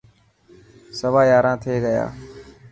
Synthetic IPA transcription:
səʋaːjaːɾãːt̪ʰeːɡəja̰ː

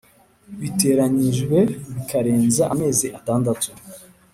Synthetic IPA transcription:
βite̞ːɾaɲiʒɡwe̞βikʰaɾe̞ːnzaʔame̞ːziʔataːndatu̥

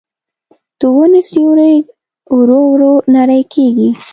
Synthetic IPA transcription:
t̪uwonisiwɾe | wɾowɾonaɾajkʰeɡi

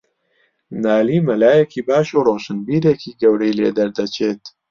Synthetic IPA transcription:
naːliːmɐlaːjekʰiːbaːʃuroːʃɨnbiːɾeːkʰiːɡɐwɾejlḛːd̪ɐɾd̪ɐt͡ʃʰeːt̪

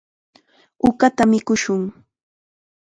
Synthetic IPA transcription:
ʊkat̪amɪkʊʃʊŋ

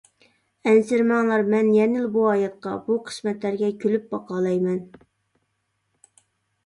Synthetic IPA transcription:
ɛnsɪɾmɑŋlˠɑɾmɛnjɛnɪlbuɑːjɑt̪̚qɑ̰buqʰə̥smɛt̪læɾɡʲɛkʲʰølyp̚bɑqʰɑːlˠɑjmɛn

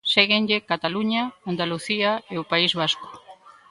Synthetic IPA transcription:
seɣenʎekat̪aluɲaand̪aluθiaeopaizβ̞asko̥

